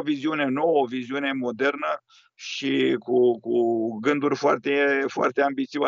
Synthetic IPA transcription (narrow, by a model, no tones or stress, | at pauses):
viziune̞no̞wəoviziune̞mo̞d̪e̞rnə | ʃikukuɡɨnd̪urʲfoa̰rt̪e̞foa̰rt̪eambit̪siwa